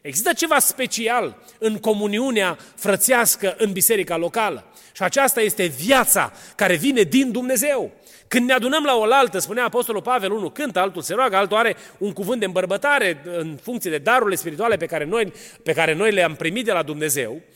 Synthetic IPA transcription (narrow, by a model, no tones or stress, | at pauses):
e̞ɡzist̪ət͡ʃe̞vaspe̞t͡ʃial | ɨŋko̞muniuneafɾət̪siaskəʔɨnbise̞ɾikalo̞kalə̰ | ʃiat͡ʃast̪aje̞st̪e̞vjat̪sa̰kaɾe̞vine̞d̪ind̪umne̞ze̞w | kɨnd̪nead̪unəmlao̞lalt̪əspuneaːpo̞st̪o̞lulpave̞lunukɨnt̪əalt̪ulseɾoaɡəalt̪uaɾe̞uŋkuvɨnt̪d̪eɨmbərbət̪aɾe̞ɨnfuŋkt̪sied̪e̞d̪aɾuɾile̞spiɾit̪uale̞pekaɾenojpe̞kaɾe̞no̞jleampɾimit̪̚d̪e̞lad̪umne̞ze̞̰w